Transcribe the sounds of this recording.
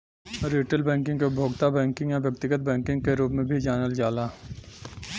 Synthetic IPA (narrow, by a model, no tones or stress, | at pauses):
ɾiːʈəlbɛ̃ːŋkɪ̃ŋɡkebʱoːɡt̪abɛ̃ːŋkɪ̃ŋɡjaʋjɐk̚t̪ɪɡət̪̚bɛ̃ːŋkɪ̃ŋɡkeɾuːpmẽbʱid͡ʒaːnəld͡ʒaːlaː